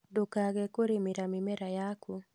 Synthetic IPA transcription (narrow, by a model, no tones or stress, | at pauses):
dokaɣɛkoɾemiɾamɪmɛɾajaku